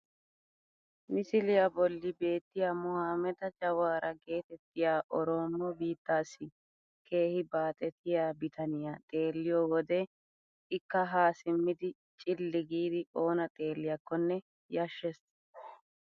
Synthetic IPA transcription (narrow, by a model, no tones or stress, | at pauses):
nɪsɪlɪjabɔlːɪbe̞ːt̪ːɪjamʊhaːmɛd̪ɐd͡ʒɐwaːɾʔɐɡe̞ːt̪ɛt̪ːɪjaːʔɔɾo̞ːmːɔbiːt̪ːaːsɪ | kʰe̞ːhɪbaːt̪ʼɛt̪ʰɪjaːbɪt̪ɐnɪjat̪ʼe̞ːlːɪjoːwɔd̪ɛ | ɪkːɐɦaːsɪmːɪd̪ɪ | t͡ʃʼɪlːɪɡiːd̪ɪo̞ːnɐt̪ʼe̞ːlːɪjɐkːɔnːɛ | jɐʃːɛs